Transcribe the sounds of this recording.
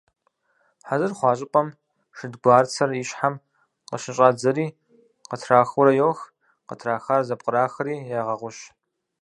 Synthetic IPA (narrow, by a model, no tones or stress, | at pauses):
ħazɨrχʷɑːɕ̬ʼɪpʼɐm | ʂɨdɡʷaːrt͡sʰɐriɕħam | qəʃɪɕʼaːd͡zɐɾiː | qətʰraːxʊɾɐjoːx | qətʰraːxaːrzɐp̚ʼqʼəɾaːxɐɾiːjaːʁɐʁʷʊɕ